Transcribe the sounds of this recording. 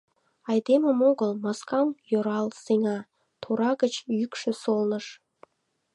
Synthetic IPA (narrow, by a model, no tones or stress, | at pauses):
ɑjd̪eməmoɡəlmɑskɑmjoɾɑlˠseŋɑ | t̪ʰoɾɑɡə̆t͡ɕjykʃɘ̆solnə̆ʃ